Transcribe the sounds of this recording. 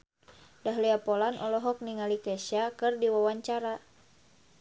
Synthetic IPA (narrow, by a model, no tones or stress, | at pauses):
daɦliapɔlanʔɔlɔɦɔk̚niŋalikɛʃakɨrdiwawaɲt͡ʃaɾa